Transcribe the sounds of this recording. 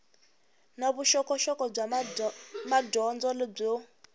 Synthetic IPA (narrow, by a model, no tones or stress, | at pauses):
naβuʃɔkɔʃɔkɔb͡ʐa | madɔnd͡zɔleb͡ʐɔ